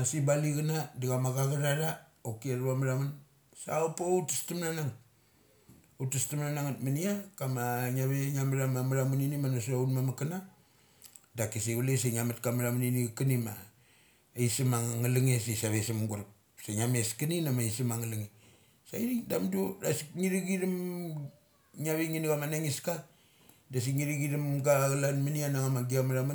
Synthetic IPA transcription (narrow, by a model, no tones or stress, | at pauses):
asibaliɡanadiɣamaɣaɡaɾaɾaokieɾuamaɾaman | sa̰opoutistamnanaŋ | utistamnanaŋatmaniakamaŋaβeŋamaɾamamaɾamuninimanos̬aunmamakana | dakisiɡules̬eŋamatkamaɾamuniniɡkanima | isimaŋŋalaŋesesaβesimɡuɾk | seŋameskɨninamaisimaŋalaŋi | sa̰iɾidamduɾa̰siŋiɾiɡiɾim | ŋaβeŋinɡamanaŋiska | das̬iŋiɾiɡiɾimɡaɣalanmanianaŋamaɡiamaɾamu